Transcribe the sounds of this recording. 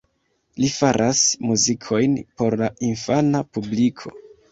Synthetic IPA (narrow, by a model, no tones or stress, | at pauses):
lifaɾʔasmuzikʰo̞jnpo̞ɾlainfanapublikʰo̞̰